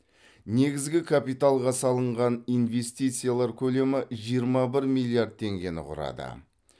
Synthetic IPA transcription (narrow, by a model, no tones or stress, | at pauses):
ne̞ɡʲɪzɡʲɪkʰapijt̪alˠʁɑsɑlˠəɴʁɑnijnve̞st̪ijt̪sɨjalˠɑɾkʲʰɵle̞mɪʒijəɾmɑbɪɾmijlʲˠiaɾd̪̚t̪ʰe̞ŋɡʲe̞nɪ̰qʰʊ̰ɾɑ̰d̪ə̰